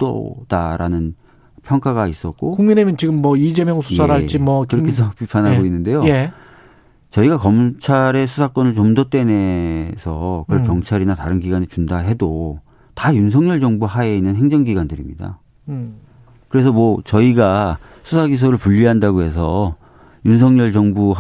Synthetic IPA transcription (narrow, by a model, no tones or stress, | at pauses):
t͈o̰d̥aɾanɯn | pʰjʌŋk͈aɡais͈ʌk̚k͈okoŋminemjʌnt͡ɕiɡɯmːʌid͡ʑemjʌŋsʰujsʰaɾaɭt͡ɕ͈imʌkɯɾʌkʰes̬ʰʌpipʰanɦaɡoinːɯnde̞joe | t͡ɕʌiɡakʌmt͡ɕʰaɾe̞sʰusʰak͈ʌnɯɭt͡ɕʌmdot͈e̞nesʰʌkɯɯɭkjʌŋt͡ɕʰaɾinataɾɯnɡiɡwanit͡ɕundaɦe̞do | tajuns̬ʰʌŋɲʌɭd͡ʑʌŋbuɦaeinːɯnɦe̞ŋd͡ʑʌŋɡiɡwandɯɾimɲida̰ | kɯɾe̞s̬ʰʌmwʌt͡ɕʌiɡa | sʰusʰaɡis̬ʰoɾɯɭpuʎːiɦandaɡoɦe̞s̬ʰʌ | juns̬ʰʌŋɲʌɭd͡ʑʌŋbu